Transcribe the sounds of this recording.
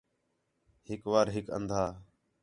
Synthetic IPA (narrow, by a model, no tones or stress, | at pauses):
ɦɪkʋaːɾɦɪkə̰̃nd̪ʱaː